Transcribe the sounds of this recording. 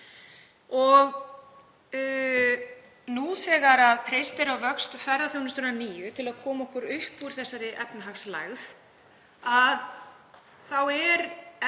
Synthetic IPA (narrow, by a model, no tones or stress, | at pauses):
ɔɣ | nuθɛːɣaɾaðpʰɾejst̪ɪɾawvœkst̪fɛɾðaθjownʏst̪ʰʏɾnaniːjʏt̪ʰɪlaðkʰɔːmaɔhkʏɾʏhpːuɾ̥θɛsːaɾɪʔɛpnaɦaksla̰ɣð | að | θawɛɾ